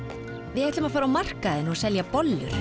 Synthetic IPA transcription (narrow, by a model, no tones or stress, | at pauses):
vɪhɛht̪ʏmaðfaːɾawmar̥kaðɪnɔɣsɛljapɔlːʏ̰ɾ̥